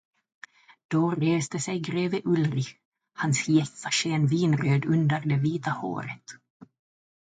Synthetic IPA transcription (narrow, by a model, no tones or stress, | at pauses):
d̪̥oɾeːst̪əsɛjɡɾeːvəʔɵlɾɪ | hansjɛsaʂeːnviːnɾøːd̪ɵnd̪əɾd̪ɛviːt̪aho̰ːɾə̰t̪